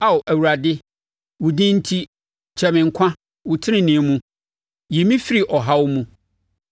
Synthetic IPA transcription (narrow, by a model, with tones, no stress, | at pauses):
a˨wʊ˨ʔæ˨wu˨ɾa˨dɪ˦ | wʊ˨dĩ˦n̩˦tʰi˦ | t͡ɕʰɛ˨mɪ̃˨ŋ̩˨kʷʰã˦ | wʊ˨tʰɪ˦nɪ̃˦˨nɪ̃˨˦mũ˦ | je˨mĩ˦fi˦ɾi˨ʔɔ˨ɦa˦wʊ˦mũ˦